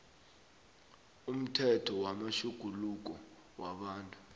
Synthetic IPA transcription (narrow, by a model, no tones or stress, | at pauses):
um̩tʰɛtʰɔwamaʃuɡ̥ʱuluk̬ʼɔ | waɓaːntʼu̥